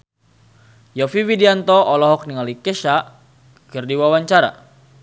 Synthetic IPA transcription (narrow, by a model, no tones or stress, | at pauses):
jɔfiwidiant̪ɔʔɔlɔɦɔk̚niŋalikɛʃa | kərdiwawaɲt͡ʃaɾa̰